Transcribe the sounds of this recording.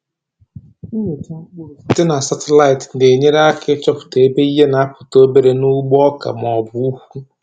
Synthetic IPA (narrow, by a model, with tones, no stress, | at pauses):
i˨ka˦m̩˦k͡pʊ˦ɾʊ˨tɪ˦na˨sa˨tɪ˦la˦ɪ˨tn̩˨de˨ɲe˦ɾa˦kɪ˦t͡ʃɔ˦pʊ̥˨te˨e˦be˦i˦ɦe˦na˨a˦pʊ̥˨to˦be˦ɾe˦nʊ˦ɡ͡bɔ˦ka̰˨m˨ɔ˨bu˨˦u˦hu˦